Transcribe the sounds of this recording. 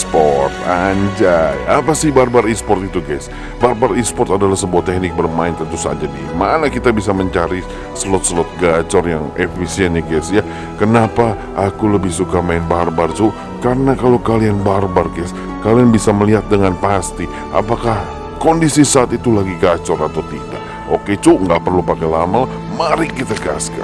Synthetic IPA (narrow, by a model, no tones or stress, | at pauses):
spɔrt̪̚aɲd͡ʒaapasɪhbarbarispɔrt̪it̪uɡajs | barbarispɔrt̪adalahsəbuat̪ɛk̚nɪk̚bərmaɪnt̪ənt̪usa̰t̪̚d͡ʒadimanakit̪abis̬aməɲt͡ʃaɾi | səlɔt̪̚səlɔt̪̚ɡat͡ʃɔrjaŋefisiɛnjaɡɛsja | kənapa | ʔakuləbɪhsukamaɪnbarbart͡ʃu | kaɾənakalowkalianbarbarkɛs | kalianbisaməliɦat̪̚dəŋanpast̪i | ʔa̰pakah | kondisisaːt̪it̪ulaɡiɡat͡ʃɔɾat̪awt̪ida̰ʔ | ʔoket͡ʃuŋɡaʔpərlupakalamalah | maɾɪkit̪aɡa̰ska̰